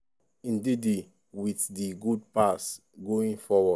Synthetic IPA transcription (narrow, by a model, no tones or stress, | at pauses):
ĩndidi | wiθdiɡud̚pas | ɡoĩŋfɔwɔ